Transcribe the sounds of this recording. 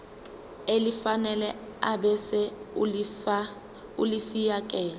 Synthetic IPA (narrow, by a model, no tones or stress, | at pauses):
elifanɛlɛ | aɓɛsɛ | ulifijak̬ʼɛːlɛ